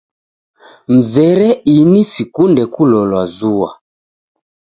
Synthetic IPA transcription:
m̩zɛɾɛinisikundɛkulɔlwazuwa̰

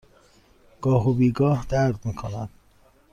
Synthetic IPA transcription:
ɡ̥ɒːɦobiːɡɒːhd̪æɾd̪miːkʰonæd̪̥

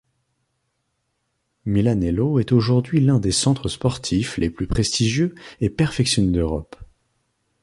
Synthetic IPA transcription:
milanɛloɛt̪oʒuʁd̪ɥilɛ̃d̪esɑ̃t̪χəspɔʁt̪ʰifleplypχest̪iʒjøepɛʁfɛksjɔned̪øʁɔ̰p

